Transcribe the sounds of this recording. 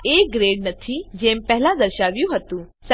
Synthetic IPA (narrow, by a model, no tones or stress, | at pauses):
eɡɾeɽnət̪ʰid͡ʑempɛɦlad̪əɾɕaʋjũɦot̪ũːs